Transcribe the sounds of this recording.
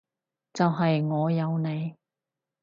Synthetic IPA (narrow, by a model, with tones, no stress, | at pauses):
t͡sɐ˨wɦɐ˨jŋɔː˨˧jɐ˨˧wne˨˧j